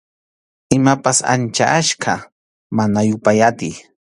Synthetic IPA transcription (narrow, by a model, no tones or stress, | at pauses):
ɪmapasa̰nt͡ʃa̰ʔaʃka | manajʊpajat̪ɪj